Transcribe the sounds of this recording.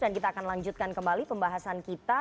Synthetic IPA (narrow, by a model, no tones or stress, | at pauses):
dankit̪aːkanlaɲd͡ʒut̪̚kankəmbalipəmbaɦasankit̪a